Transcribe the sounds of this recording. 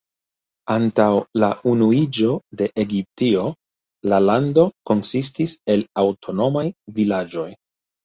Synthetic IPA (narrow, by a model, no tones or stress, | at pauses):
antawlaunuid͡ʒo̞de̞ʔeɡip̚tio̞ | lalando̞ko̞nsis̬tise̞lawtʰo̞no̞majvilad͡ʒo̞j